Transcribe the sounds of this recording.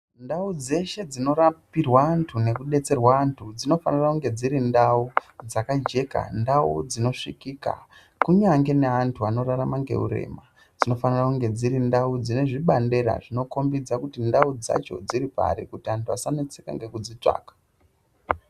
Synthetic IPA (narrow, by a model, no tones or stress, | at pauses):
ndaud͡ze̞ʃe̞d͡zino̞ɾapirwaːntʰune̞kuɗe̞t͡se̞rwaːntʰud͡zino̞fanirakuŋɡe̞d͡ziɾindaud͡zakad͡ʒe̞ka̰ndaṵd͡zino̞ʂikiːka̰ | kuɲaŋɡe̞ne̞antʰuano̞raramaŋɡe̞̰ṵɾe̞̰ːma | d͡zino̞fanirakuŋɡe̞d͡ziɾindaud͡zine̞ʐiɓande̞ɾa̰ʐino̞ko̞mbid͡zakutindaud͡za̰t͡ʃo̞̰d͡ziɾipa̰ɾikutiantʰuasanet͡seka̰ŋɡe̞kud͡zit͡ʂa̰ːkḁ